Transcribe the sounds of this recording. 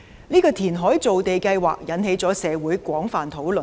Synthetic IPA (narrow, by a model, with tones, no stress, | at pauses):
niː˥kɔː˧t̪ʰiː˨˩nɦɔː˨˥jt͡so˨wt̪e˨jkɐ˧jwa̰ː˨k̚jɐ˨˥nhe˨˥jt͡sɔː˨˥sɛː˨˧wuː˨˥jkʷɔː˨˥ŋfaː˨nt̪ʰo˨˥wlɵ˨˩